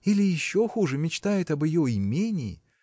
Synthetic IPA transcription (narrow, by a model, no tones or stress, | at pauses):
ilʲɪjɪɕːo̞xuʐɨmʲɪt͡ɕt̪ajɪt̪ɐbɪjoɪmʲenʲɪːɪ̰